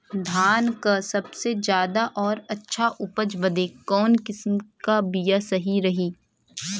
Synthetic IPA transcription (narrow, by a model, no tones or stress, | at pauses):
d̪ʱaːnkasɐbsed͡ʒjaːd̪aʔɔːɾɐtːʃʰaʔʊpəd͡ʒbɐd̪ekɔːnkɪsmkabijasɐɦiɾɐɦiː